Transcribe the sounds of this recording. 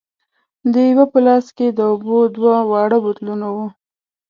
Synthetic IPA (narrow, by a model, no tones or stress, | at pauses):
d̪əjwapəlɑsked̪əobod̪wawɑɽəbot̪lunawu